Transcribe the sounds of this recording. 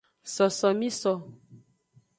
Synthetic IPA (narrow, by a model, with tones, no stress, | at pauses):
sɔ˨sɔ˨mĩ˦sɔ˨